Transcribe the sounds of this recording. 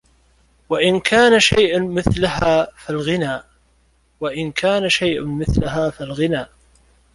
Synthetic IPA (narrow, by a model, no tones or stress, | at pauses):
waʔɪnkʰaːnaʃa̰jʔmɪθlaɦaːfalɣɪnaː | waʔɪnkʰaːnaʃajʔʊmɪθlaɦaːfalɣɪnaː